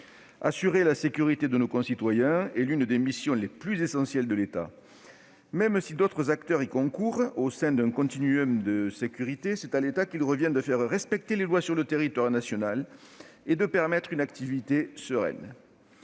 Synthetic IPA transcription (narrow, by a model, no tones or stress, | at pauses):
a̰syʁelasekʲyʁit̪ed̪ənokɔ̃sit̪wajɛ̃ɛlynd̪emisjɔ̃leplyzesɑ̃sjɛld̪əlet̪a̰ | mɛmsid̪ot̪χəzakt̪œʁikɔ̃kuʁosɛ̃d̪ɛ̃kɔ̃t̪inyɔmd̪əsekʲyʁit̪esɛt̪alet̪akilʁəvjɛ̃d̪əfɛʁʁɛspɛk̚t̪elelwasyʁlət̪eʁit̪waʁnasjɔnaled̪əpɛʁmɛt̪χynak̚t̪ivit̪esəʁɛ̰n